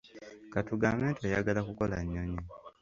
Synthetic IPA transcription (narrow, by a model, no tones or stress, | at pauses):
katuɡaːmeːntejaɡalakuko̞laɲːoɲi